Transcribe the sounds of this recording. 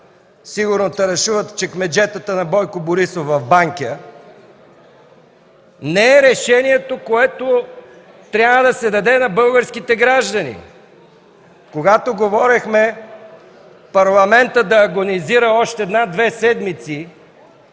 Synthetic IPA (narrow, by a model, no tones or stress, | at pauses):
siɡʊɾnot̪ɐɾɛʃuvət̪t͡ʃɛkmɛd͡ʒɛt̪ət̪ənɐbɔjkoboɾisofɐvbaŋkʲə | nɛɛɾɛʃɛniɛt̪okoɛt̪o | t̪ɾʲabvəd̪ɐsɛd̪ɐd̪ɛnɐbɤlˠɡəɾskit̪ɛɡɾaʒd̪ɐnḭ | koɡat̪oɡovɔɾɛxmɛ | pɐɾlˠɐmɛnt̪əd̪ɐːɡoniziɾəɔʃt̪ɛɛd̪nad̪vɛsɛd̪mit̪si